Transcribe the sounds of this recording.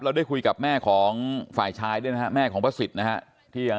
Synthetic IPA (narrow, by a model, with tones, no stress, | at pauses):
pɾa˧wdaː˥˩jkʰu˧jka˨˩p̚mɛː˥˩kʰɔː˩˦ŋfaː˨˩jt͡ɕʰaː˧jdu˥˩jna˦˥a˧˥mɛː˥˩kʰɔː˩˦ŋpʰa˦˥si˨˩t̪̚na˦˥kʰa˦˥ʔ | t̪ʰiː˥˩ja˧